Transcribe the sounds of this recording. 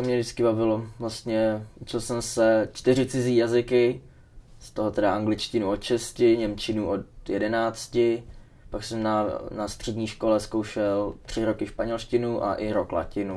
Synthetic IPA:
t̪omɲɛdɪt͡skɪbavɪlo̞vlast̪ɲɛʔut͡ʃɪlsɛmsɛt͡ʃt̪ɪrɪt͡sɪziːjazɪkɪ | st̪o̞ɦo̞t̪ɛdaʔaŋɡlɪt͡ʃcɪnuot̪ʃɛscɪɲɛmt͡ʃɪnuːʔot̪jɛdɛnaːt͡scɪ | paksɛmnanast̪r̥ɛdɲiːʃko̞lɛsko̞wʃɛlt̪r̝̥ɪɾo̞kɪʃpaɲɛlʃcɪnuʔa̰ʔɪɾokla̰cɪnu

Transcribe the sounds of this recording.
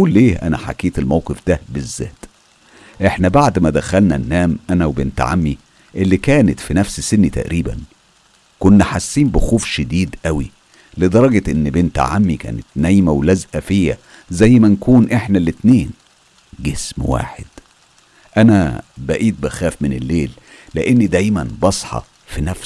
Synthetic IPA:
ʔuːlːeːʔæ̰næ̰ħa̰keːt̪elmæwqefd̪æbezːæ̰ːt̪ | ʔeħnæbaʕd̪mæd̪æxælnæ̰nːæːmʔænæwebeːnt̪ʕa̰mːi | ʔelːikæːnet̪finæfssenːit̪æ̰ʔɾiːbæ̰n | konːæħasːiːmbɪxuːfʃed̪iːd̪ʔæwi | led̪ˤɑɾˤɑɡɑʔenːbent̪ʕamːikæ̰ːnet̪næjːmæwlæzʔæfejːæ̰ | zæjːmænkuːnʔeħnælet̪neːn | ɡesmwa̰ːħḛd̪̥ | ʔænæ̰bæʔiːt̪̚bæxæːfmɪnelːeːlː | ḛʔenːid̪æjmænbɑsˤħɑ̰ | finæfs

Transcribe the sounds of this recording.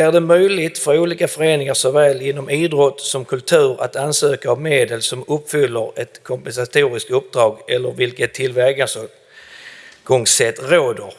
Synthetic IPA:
æɖɛmœjlɪt̪fœɾuːliːkafœɾeːnɪŋaɾʂɔvɛːljɪnːɔmiːd̪ɾɔt̪ːsɔmkʰɵlt̪ʰʉ̟ːɾa̰t̪ansøːkaːvmeːd̪əlsɔmɵpːfʏlːəɾɛt̪kʰɔmpɛnsat̪ʰuːɾɪskt̪ɵp̚ːd̪ɾɑːɡɛlːəɾvɪlkət̪ʰːɪlvɛɾɡansɔ | ɡ̥ɔŋsɛt̪ːɾoːd̪əɾ

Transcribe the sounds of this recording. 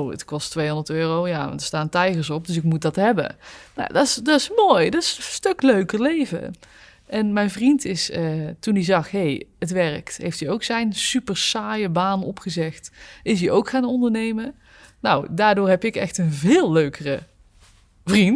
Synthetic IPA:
wə̰tkɔstʋejɦɔndəɹtøːrowjaːɑ̰ntdəɹstaːntɛjɣəɹsɔp̚dɵsɪkmut̚dɑtɦɛbə̰na̰dɑɪsdɑɪsmoːjdɑtɪsstøkløɥkəɹlejvə̰ | ʔɛnmɛjnvrintɪsətundizɑχɦejətʋɛɹktɦḛjftiowksɛjnsypəɹsaːjəbaːnɔpχəzɛxtɪs̬diowkχaːnɔndəɹnejmə | na̰wdaːɹdʊːɹɦɛpɪkɛ̰xtənvɪːlˠːøɥkərə | vrint

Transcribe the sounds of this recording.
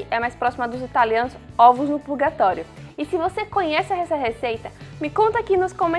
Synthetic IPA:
ɪʔɛmajspɾɔsimɐd̪ʊzit̪aliɐ̃nʊzɔvʊznʊpuɾɡat̪ɔɾjʊ | ɪsɪvosekõɲɛsɪɐɛsɐɦesejt̪ɐmɪkõnt̪ɐkɪnʊskõmẽ

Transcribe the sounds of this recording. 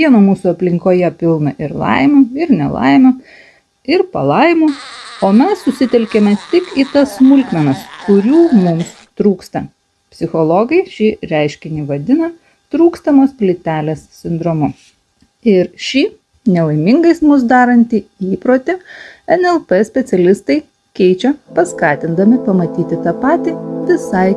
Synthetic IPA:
iɛnomuːsuɐpʲlʲɪŋkoːjɛpʲɪlˠnɐʔɪɾlˠɐ̰ɪmʲuːɪɾnʲɛ̰lˠɐ̰ɪmʲʊ | ɪɾpɐlˠɐɪmuːoːmʲɛsːʊsʲɪt̪ʲɛlʲkʲemʲɛt̪ʲɪkiːt̪ɐssmʊlʲkmʲɛnɐskʊɾʲuːmʊms | t̪ɾuːkst̪ɐ | pʲsʲɪxɔlˠɔːɡɐɪʃʲɪɾʲæɪʃʲkʲɪnʲiːʋɐd̪ʲɪnɐ | t̪ɾuːkst̪ɐmoːspʲlʲɪt̪ʲæːlʲeːssʲɪnd̪ɾomʊ | ɪɾʃʲiː | nʲɛʋɐɪmʲɪŋɡɐɪsmʊs̬d̪ɑːɾɐnʲt̪ʲiːiːpɾoːt̪ʲɪɛnɛlˠpɛsʲpʲɛt̪sʲɛlʲɪst̪ɐɪ | kʲɛɪt͡ʃʲɛpɐskɑːt̪ʲɪnd̪ɐmʲɪpɐmɐt̪ʲiːt̪ʲɪt̪ɑpɑːt̪ʲiːʋʲɪsɐɪ

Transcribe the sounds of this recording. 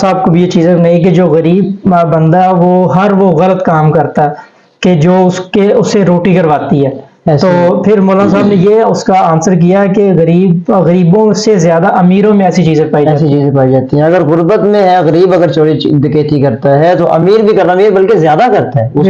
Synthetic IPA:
saːb̚kobʱijet͡ʃiːzẽnɐɦĩk̬ed͡ʒoːɣɐɾiːb̚bɐ̃nd̪aɦɛʋoɦɐɾʋoɣɐlət̪kaːmkɐɾt̪aɛ | ked͡ʒoːʊskeʊsːeɾoːʈikɐɾʋaːt̪iɦɛː | t̪oːpʰɪɾmoːlaːnasaːbnejeʊskaaːnsəɾk̬ijaɦɛkeɣɐɾiːbɣəɾiːbõsezjaːd̪aʔɐmiːɾõmẽɛːsit͡ʃiːzẽpaːid͡ʒɛaːsit͡ʃiːzẽpaːid͡ʒaːt̪iɦɛ̃ɐɡəɾɣʊɾbət̪mẽɦɛɣɐɾiːbɐɡəɾt͡ʃoːɽit͡ʃd̪ɪkeːt̪ikɐɾt̪aɦɛt̪oʔɐmiːɾbʱikɐɾnamiːɾbɐlkezjaːd̪akɐɾt̪aɦɛʊ

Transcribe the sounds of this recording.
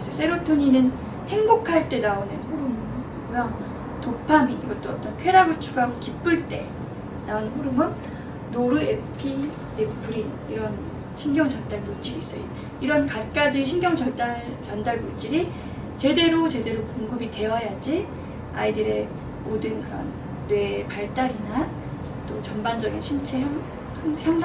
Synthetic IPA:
s͈ʌjos͈ʰeɾotʰoɲinɯn | he̞ŋbokʰaɭt͈e̞naonɯnɸoɾumɯniɡojaŋ | topʰaminiɡʌt͈̚oʌt͈ʌnkʰe̞ɾaɡɯɭt͡ɕʰuɡaɡokip͈ɯɭt͈e̞ | naonɯnɦoɾumɯn | noɾuepʰi | ne̞pʰɯɾin | iɾʌn | ɕʰinɡjʌŋt͡ɕʌndaɭmut͡ɕ͈iɾiis͈ʌjo | iɾʌnkat̚k͈ad͡ʑiɕ̬ʰinɡjʌŋt͡ɕʌt͈aɭt͡ɕʌndaɭmuɭt͡ɕ͈iɾi | t͡ɕe̞de̞ɾot͡ɕe̞de̞ɾokoŋɡɯbite̞wʌjad͡ʑi | a̰idɯɾe̞ | modɯnkɯɾʌ̰nː | we̞paɭt͈aɾina | t͈ot͡ɕʌnband͡ʑʌɡinɕʰint͡ɕʰe̞ɦaŋ | ançjʌŋsʰ

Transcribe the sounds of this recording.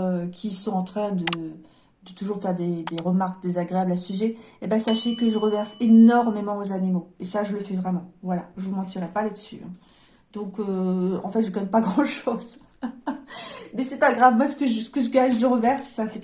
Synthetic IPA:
økʲʰisɔ̃ɑ̃t̪χɛ̃d̪ə | d̪ət̪uʒuʁfɛʁd̪ed̪eʁəmaʁk̚d̪ezaɡʁeablasəsyʒɛebasaʃɛkəilʁəvɛʁsenɔʁmemɑ̃ozanimoesaʒələfɛvʁɛmɑ̃vwalaʒəvumɑ̃t̪ʰiʁɛpalad̪əsy̰ʔɛ̰̃ | d̪̥ɔ̃køɑ̃fɛt̪ʒəkɔnɛpaɡʁɑ̃ʃoz̥ | mɛsɛpaɡʁavmwasə̥kəʒəsə̥kəʒəɡaʒləʁəvɛʁssafɛt̪

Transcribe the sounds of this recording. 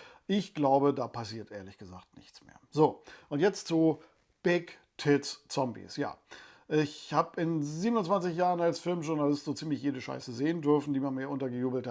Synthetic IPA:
ʔɪçɡ̥laʊbədaːpʰasiːɐtʔeːɐlɪçɡ̥əzaːktnɪ̰çt͡smḛːɐzoːʔʊntjɛt͡stt͡su | b̥ɪk | tʰɪtst͡sɔmbḭsja̰ː | ʔɪçhaːbɪnziːbənʊnt͡sv̥ant͡sɪçjaːʁənalsfɪlmʒʊʁnalɪstz̥oːt͡siːmlɪçjeːdəʃa̰ɪsəzeːəndʏɐfn̩diːmanmiːɐʔʊntɐɡəjuːbl̩tha

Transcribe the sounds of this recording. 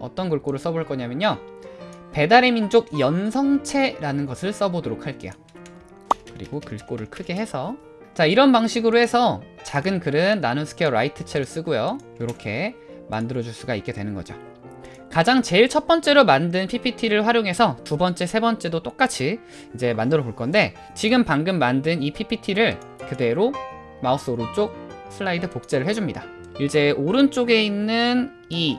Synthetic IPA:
ʌ̰t͈ʌnkuɭk͈oɾɯɭs͈ʌboɭk͈ʌɲamjʌɲo | pe̞daɾemind͡ʑoɡ̚jʌnsʰʌŋt͡ɕʰe̞ɾanɯnɡʌsʰɯɭs͈ʌbodoɾok̚ʰaɭk͈e̞ja | kɯɾiɡokɯɭk͈oɾɯɭkʰɯɡe̞ɦe̞sʰʌ | t͡ɕaiɾʌnpaŋɕʰiɡɯɾohe̞sʰʌt͡ɕaɡɯnkɯɾɯnːanosʰɯ̥kʰeʌɾa̰itʰɯt͡ɕʰe̞ɾɯɭs͈ɯɡojojoɾʌkʰe̞ | ma̰ndɯɾʌd͡ʑuɭs͈uɡaik͈e̞dwe̞nɯnɡʌ̰d͡ʑo̰ | kad͡ʑaŋt͡ɕe̞iɭt͡ɕʰʌt̚p͈ʌnt͡ɕ͈e̞ɾomandɯnpʰipʰitʰiɾɯɭɸwaɾjoŋɦe̞sʰʌtubʌnt͡ɕ͈e̞sʰe̞bʌnt͡ɕ͈e̞dot͈ok͈at͡ɕʰi | id͡ʑe̞mandɯɾʌboɭk͈ʌnde̞ | t͡ɕiɡɯmpaŋɡɯmːandɯnipʰipʰitʰiɾɯɭ | kɯde̞ɾo | maos͈oɾut͡ɕ͈ok̚ | sʰɯɭːaidɯpok̚t͡ɕ͈e̞ɾɯɭhe̞d͡ʑumɲida | iɭd͡ʑ͈e̞ʔoɾɯnt͡ɕ͈oɡe̞inːɯn | i

